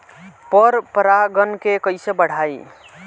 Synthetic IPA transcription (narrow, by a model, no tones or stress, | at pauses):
pəɾpɾaɡənkekəjsẽbəɽ̤aj